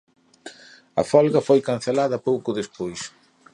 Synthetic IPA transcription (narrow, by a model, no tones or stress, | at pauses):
ɐ̰fɔlɣɐfojkan̟θelaðɐpowkʊðespojs